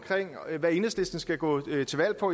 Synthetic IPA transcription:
kʰʁeŋ̰ʋæɐe̝ːnəsd̥esd̥n̩sɡ̥æɡ̥ɔ̰̽ːt͡sʰe̝ʋæl̰pʰɒ̽

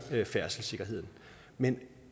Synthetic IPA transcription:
øfæɐ̰səl̩se̝ɡ̥ɐɦe̝ð̞̰ˠn̩ | men

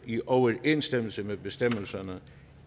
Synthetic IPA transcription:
iʔɒʊɐʔe̝nsd̥em̰l̩səmebe̝sd̥em̰l̩sɐnə

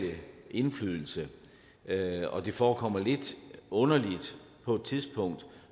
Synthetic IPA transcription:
liʔe̝nflyðˠl̩sə | ɒ̽d̥e̝fɒːkʰɒ̽m̰ɐle̝d̥ɔ̽nɐlid̥ | pʰɒ̽d̥̚t͡sʰiðˠsb̥ʰɔ̽ŋ̰d̥

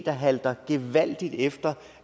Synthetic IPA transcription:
d̥ɐɦæld̥ɐɡ̥e̝ʋæl̰d̥id̥efd̥ɐ

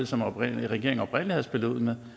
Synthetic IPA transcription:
ð̩̰ˠsɒ̽mɒb̥ʁɛɡ̥e̝ɐeŋɒb̥ʁen̰liheð̰ˠsb̥ʰe̝ləuð̰ˠmeð

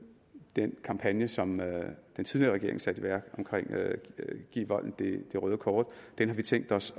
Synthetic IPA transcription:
d̥enkʰɑ̈mpʰænjəsɒ̽md̥ent͡sʰiðˠliɐʁɛɡ̥e̝ɐe̝ŋsæd̥iʋæɐ̰ɡ̥ɒ̽mkʰʁeŋ̰ | ɡ̥ḭːʋɒ̽l̰n̩d̥e̝d̥e̝ʁœːð̞ˠəkʰɒːd̥d̥enɦɑ̈ʋit͡sʰeŋ̰ɡ̥d̥ɒ̽s

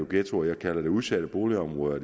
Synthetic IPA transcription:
oɡ̥et͡sʰoɐjɑ̈kʰælɐd̥e̝uð̞ˠsæɾ̥əb̥o̝ːliɒ̽mʁɔ̽ðˠɐ

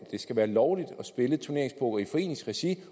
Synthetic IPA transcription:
d̥e̝sɡ̥æʋæːɐlɒʊlid̥ɒ̽sb̥e̝lət͡sʰuɐe̝ɐ̰eŋspʰɔ̽ɡ̥ɐifɒ̽e̝̰ːne̝ŋsʁɛsi

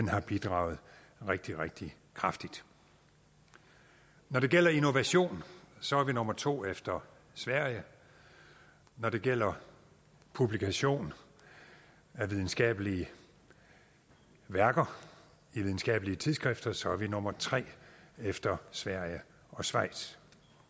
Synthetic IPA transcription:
denhɑ̈b̥id̥ʁɑ̰̈ʊð̞̩ˠ | ʁeɡ̥̚d̥iʁeɡ̥̚d̥i | kʰʁɑ̈fd̥id̥ | nɒɾ̥e̝ɡ̥el̰ɐino̝ʋæɕo̝̰ːnsɒ̽æɐʋino̽mɐt͡sʰo̝̰ːefd̥ɐ | sʋæɐ̰jə | nɒd̥ɾe̝ɡ̥el̰ɐ | pʰub̥likʰæɕo̝̰ːn | æʋið̞ˠn̩sɡ̥ɛ̰ːb̥əliə | ʋæɐɡ̥ɐ | iʋiðˠn̩sɡ̥ɛ̰ːbəliət͡sʰiðˠsɡ̥ʁɛfd̥ɐsɒ̽æɐʋino̽mɐt͡sʰʁɛ̰ːefd̥ɐsʋæɐ̰jə | ɒ̽sʋɑ̈ɪ̰d̥s

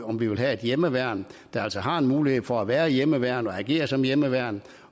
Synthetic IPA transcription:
ɒ̽mʋiʋe̝lɦæe̝d̥jeməʋæɐ̰nd̥ɑ̈æl̰sɒɦɑ̈e̝nmuːlihe̝ð̰ˠfɒ̽æʋæːɐjeməʋæɐ̰nɒ̽æɡ̥e̝̰ːɐsɒ̽mjeməʋæɐ̰n

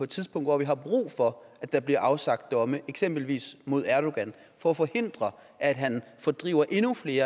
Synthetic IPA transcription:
ɒ̽ed̥t͡sʰiðˠspʰɔ̽ŋ̰d̥ʋɒ̰ʋiɦɑ̈b̥ʁṵːfɒ̽ʔæ̥ɑ̈b̥liɐʔɑ̈ʊsɑ̈ɡ̥d̥ɒ̽məʔeɡ̥sem̰b̥l̩ʋḭːsmo̝ð̞̰ˠæɐɾ̥o̝ɡ̥æn | fɒ̽ːfɒ̽he̝n̰d̥ʁɐ | ʔæd̥ɦænfɒ̽d̥ʁiːʊɐʔe̝nufle̝ːɐ

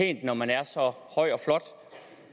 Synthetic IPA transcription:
e̝̰ːnd̥nɒmænæɐsɒ̽hɒ̽ɪ̰ɒ̽flɒ̽d̥

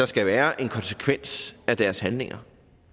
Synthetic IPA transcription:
ɑ̈sɡ̥æʋæːɐʔe̝nkʰɒ̽nse̥kʰʋen̰sæd̥æɐshænle̝ŋɐ

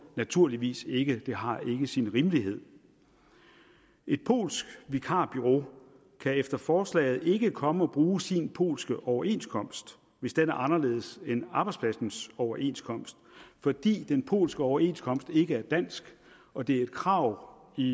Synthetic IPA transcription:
næt͡sʰuɐliʋḭːse̝ɡ̥əd̥e̝ɦɑ̈e̝ɡ̥əsinʁiməliɦe̝ð̞̰ˠ | ʔe̝d̥pʰo̝̰ːlsɡ̥ʋikʰɑ̰̈ːb̥yʁo̝ | kʰæefd̥ɐfɒːslɛ̰ːɪð̩ˠe̝ɡ̥əkʰɒ̽məɒ̽b̥ʁuːsinpʰo̝̰ːlsɡ̥əʔɒʊɐe̝̰nskʰɒ̽m̰sd̥ | ʋe̝sd̥enæɐʔɑ̈nɐle̝̰ːð̞̩ˠsenɑ̈b̥ɑ̈ɪspʰlæsn̩sɒʊɐʔe̝̰nskʰɒ̽m̰sd̥fɒd̥ḭːd̥enpʰo̝̰ːlsɡ̥əɒʊɐe̝nskʰɒ̽m̰sd̥e̝ɡ̥əæɐd̥æn̰sɡ̥ | ɒ̽d̥e̝æɐe̝d̥kʰʁɑ̈ʊ̰ | i

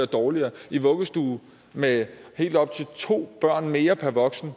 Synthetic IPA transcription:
ɐd̥ɒːliɐːiʋɔ̽ɡ̥əsd̥uː | mehe̝̰ːld̥ɒ̽b̥̚t͡sʰe̝lt͡sʰo̝̰ːb̥ɶɐ̰nme̝ːɐpʰæɐʋɒ̽ɡ̥sn̩

